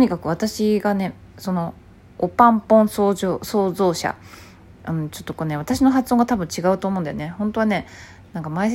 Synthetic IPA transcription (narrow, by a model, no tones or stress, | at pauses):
t̪ɲ̟ikakɯ̟β̞at̪aɕiɡane̞ | so̞no̞ː | pãmpõɰ̃soːʑoːso̞ːzo̞ːɕa̰ | ɯ̟̃t͡ɕo̞t̪ːo̞koːneβ̞at̪aɕino̞ɦat͡sɨõ̞ŋɡat̪abɯ̟̃ɲt͡ɕiɡaɯ̟t̪oːmõnd̪ajo̰ne̞hõnt̪o̞βane̞ | nãŋkamai